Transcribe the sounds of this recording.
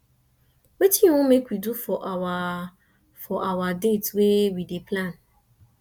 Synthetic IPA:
wetʰĩwʊ̃mekwidufɔʔawa | fɔʔawadetwewidepʰlãn

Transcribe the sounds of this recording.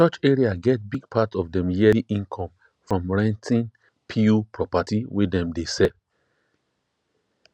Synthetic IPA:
t͡ʃɔt͡ʃɛɹiaɡɛt̚biɡ̚pʰatɔvdɛ̃mjɛɾiʔĩnkʰɔ̃m | fɹɔ̃mɹɛ̃ntʰĩn | pʰiupʰɹɔpatiwedɛ̃mdesɛv

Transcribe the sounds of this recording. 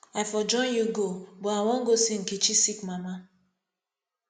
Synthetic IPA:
ajfɔd͡ʒɔ̃ɪ̃njuɡobɔawɔ̃ŋ̩ɡosiŋ̩kit͡ʃisikmama

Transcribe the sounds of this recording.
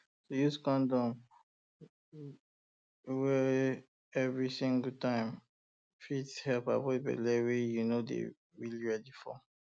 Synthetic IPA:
sojuskɔ̃ndɔ̃m | wɛ | ɛvɹisĩŋɡəltãɪ̃m | fitshɛlpa̰bɔtbɛ̰lɛwejunodḛ | ɹiliɹɛdifɔ̰

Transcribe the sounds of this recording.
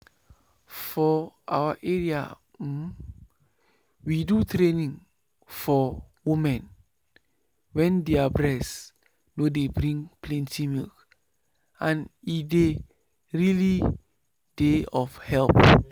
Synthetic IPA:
fɔʔa̰wəʔɛɹia̰ | widutɾenĩŋ | fɔ | wumɛ̃n | wɛ̃ndeabɹɛs | nodebɾĩŋpʰlɛ̃ntimilk | ãnide | ɹili | d̥eɔfhɛlp

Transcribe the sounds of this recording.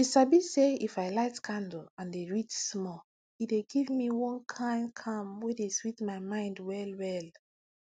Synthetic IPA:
isabiseifajlaɪtkʰãndl̩ãndeɹit͡ʃsmɔ | ideɡivmiwɔ̃nkʰãɪ̃nkʰãmwedeswitmaɪmãɪ̃ndwɛlwɛl

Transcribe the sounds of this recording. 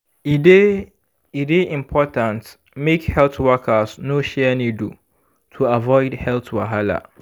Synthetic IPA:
ide | ideʔĩmpʰɔtʰãnt | mekhɛltwakʰasnoʃɛnĩdu | tʰuavɔɪdhɛltwaɦala̰

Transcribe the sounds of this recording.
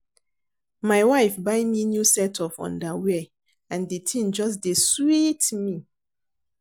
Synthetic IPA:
maɪwaɪfbaɪminjusɛtʰɔvɔ̰̃ndawɛ | ãnditʰĩnd͡ʒɔs̬deswitmi

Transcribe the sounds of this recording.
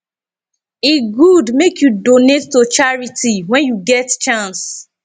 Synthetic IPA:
eɡudmekjudonetːot͡ʃaɹitiwɛ̃njuɡɛtt͡ʃãns

